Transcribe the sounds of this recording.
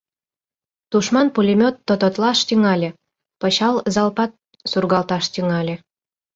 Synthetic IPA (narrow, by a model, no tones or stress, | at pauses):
t̪uʃmɑnpulʲemʲot̪ːot̪ot̪lɑʃt̪yŋɑlʲĕ | pɤɕɑlzɑlpɑt̪̚ | surɣɑlt̪ɑʃt̪yŋɑlʲĕ